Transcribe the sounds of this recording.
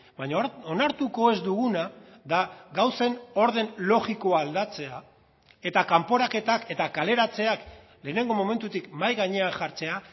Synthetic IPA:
baɲaonaɾt̪uko̞e̞zd̪uɣ̞una | ðaɡawse̞no̞ɾðe̞nlo̞ɣiko̞aːld̪at͡se̞a | e̞t̪akampo̞ɾake̞t̪ake̞t̪akale̞ɾat͡se̞ak | le̞ːne̞ŋɡo̞mo̞me̞nt̪ut̪ikmajɣaɲe̞aŋʝaɾt͡se̞a

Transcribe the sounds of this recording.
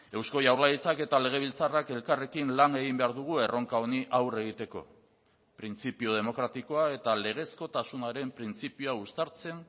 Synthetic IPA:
e̞wsko̞jawɾlaðit͡sake̞t̪ale̞ɣ̞eβ̞ilt͡sarake̞lkare̞kinlane̞ɣimbe̞aɾðuɣ̞ue̞ro̞ŋkao̞niʔawre̞ɣ̞it̪e̞ko̞ | pɾint͡sipio̞ðe̞mo̞kɾat̪iko̞ae̞t̪ale̞ɣ̞e̞sko̞t̪asunaɾe̞mpɾint͡sipioaust̪aɾt͡se̞n

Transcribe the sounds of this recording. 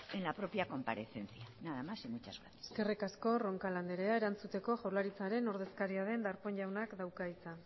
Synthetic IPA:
enlapɾo̞pjako̞mpaɾe̞θe̞nθjanaðamasimut͡ʃazɣateske̞rikasko̞ro̞ŋkaland̪e̞ɾe̞ae̞ɾant͡sut̪e̞ko̞ʝawɾlaɾit͡saɾe̞no̞ɾðe̞skaɾiaðe̞nd̪aɾpo̞ɲʎawnakd̪awkait͡sa

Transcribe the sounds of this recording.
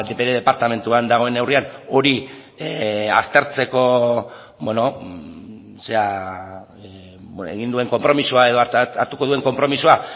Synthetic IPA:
d̪eβeɾeðe̞paɾt̪ame̞nt̪uand̪aɣ̞o̞e̞ne̞wriano̞ɾi | a̰st̪e̞ɾt͡se̞ko̞ | bweno̞ | se̞a | ḛɣ̞ind̪ue̞ŋko̞mpɾo̞misuae̞ðoaɾt̪uko̞ðue̞ŋko̞mpɾo̞misua

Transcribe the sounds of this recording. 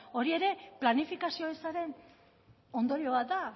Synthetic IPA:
o̞ɾie̞ɾe̞planifikasio̞esaɾe̞n | o̞nd̪o̞ɾio̞βat̪̚d̪a

